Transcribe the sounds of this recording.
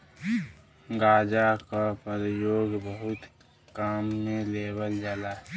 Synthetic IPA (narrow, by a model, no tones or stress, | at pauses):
ɡaːd͡ʒakapəɾjoːɡbəɦʊt̪ | kaːmːẽleːbəld͡ʒalaː